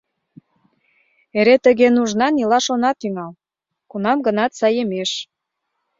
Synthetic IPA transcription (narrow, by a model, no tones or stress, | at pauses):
eɾet̪əɣenuʒnɑnilɑʃonɑt̪yŋɑl | kunɑmɡə̆nɑt̪sɑjəmeʃ